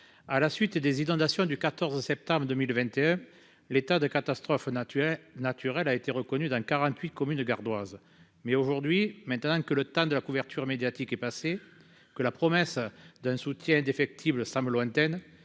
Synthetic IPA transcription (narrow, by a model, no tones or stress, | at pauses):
alasɥit̪d̪ezinɔ̃d̪asjɔ̃d̪ykat̪ɔʁzəsɛp̚t̪ɑ̃mbʁəd̪əmilvɛ̃nt̪eɛ̃ | let̪ad̪əkat̪ast̪χɔf | nat̪ʰyʁɛlaet̪eʁəkɔnyd̪ɑ̃kaʁɑ̃t̪ɥit̪kɔmynɡaʁd̪waz | mɛoʒuʁd̪ɥimɛ̃nt̪ənɑ̃kələt̪ɑ̃d̪əlakuvɛʁt̪ʰyʁmed̪jat̪ikɛpase | kəlapχɔmɛsd̪ɛ̃sut̪jɛ̃ɛ̃nd̪efɛk̚t̪ʰibləsãməlwɛ̃nt̪ɛn